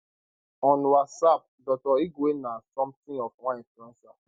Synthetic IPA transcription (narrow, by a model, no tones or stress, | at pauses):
ɔ̃nwasap̚dɔtɔiɡenasɔ̃mt̪ĩɔfwãĩnfuɛ̃nsã